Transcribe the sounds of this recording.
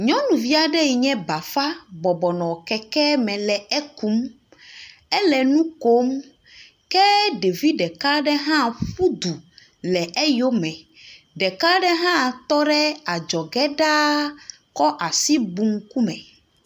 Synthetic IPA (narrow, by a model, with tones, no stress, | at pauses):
ɲɔ̃˦nũ˨vi˦a˨ɖɛ˦ji˨ɲɛ̃˦ba˨fa˦bɔ˨bɔ˨nɔ̃˨wkɛ˦kɛ˦mɛ̃˨lɛ˨ɛ˦ku˦m | ɛ˦lɛ˨nũ˦ko˦m | kɛ˦ɖe˨vi˦ɖɛ˨ka˦ɖɛ˦ɦã˦ɸu˦d̪u˨ | lɛ˨ʔɛ˦jo˦mɛ̃˨ | ɖɛ˨ka˦ɖɛ˦ɦã˦t̪ɔ˦ɖɛ˦a˨d͡ʒɔ˨ɡɛ˦ɖa˦ | kɔ˦ʔa˨si˦bu˨˦ŋ˦ku˦mɛ̃˨